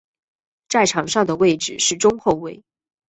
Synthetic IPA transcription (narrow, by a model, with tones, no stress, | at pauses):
t͡sa˥˩ɪʈ͡ʂʰɑ˨˩ŋʂɑ˥˩ŋd̪ə˩we˥˩ɪʈ͡ʂɻ̩˨˩ʂɻ̩˥˩ʈ͡ʂʊ˥ŋxo˥˧ʊwe˥˩ɪ